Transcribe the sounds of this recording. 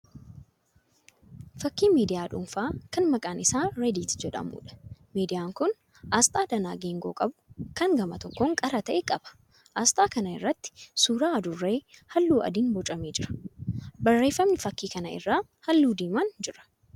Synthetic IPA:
fɐkːiːmiːd̪ɪjaːᶑʊ̰mfaːkɐnmɐkʼaːnʔɪsaːɾɛd̪iːt̪d͡ʒɛᶑɐ̰mṵːᶑɐ̥miːd̪ɪjaːŋkʊn | ʔaːst̪ʼaːd̪ɐna̰ːɡeːŋɡoːkʼɐbʊ̥kɐŋɡɐmɐt̪ɔkːoːŋkʼɐɾɐt̪ɐʔekʼɐb̥ɐ̥ | ʔɐːst̪ʼaːkɐnɐɪ̰rːɐt̪ːɪ̥suːɾaːɐd̪ʊrːe̞ːhɐlːuːɐ̰d̪iːnbɔt͡ʃʼɐmeːd͡ʒɪɾɐ̥bɐrːe̞ːfːɐmnɪfɐkːiːkɐnɐɪ̰rːaː | hɐlːuːd̪iːmɐnd͡ʒɪɾɐ̥

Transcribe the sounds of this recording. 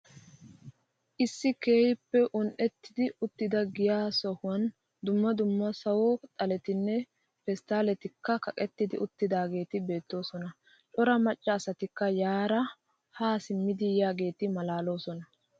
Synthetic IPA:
ʔɪsːɪke̞ːhɪpːɛʔʊnʔɛt̪ːɪd̪ɪʊt̪ːɪd̪ɐɡɪjaːsɔhʊwɐn | d̪ʊmːɐd̪ʊmːɐsɐwɔt̪ʼɐlɛt̪ɪnːɛ | fɛst̪aːlɛt̪ɪkːɐkɐkʼɛt̪ːɪd̪ɪʔʊt̪ːɪd̪aːɡe̞ːt̪ɪbe̞ːt̪ːo̞ːsɔnɐ | t͡ʃʼɔɾɐmɐt͡ʃʼːɐːsɐt̪ɪkːɐjaːɾɐ | haːsɪmːɪd̪ɪjaːɡe̞ːt̪ɪmɐlaːlo̞ːsɔnɐ

